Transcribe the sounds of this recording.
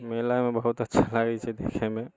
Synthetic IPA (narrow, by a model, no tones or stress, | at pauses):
melamẽbəɦut̪ətːʃʰalaɡɛt͡ʃʰɛd̪ḛkʰemẽ